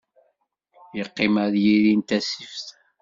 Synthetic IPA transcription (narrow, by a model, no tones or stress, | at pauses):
jəqːɪmæɾjiɾint̪æsifθ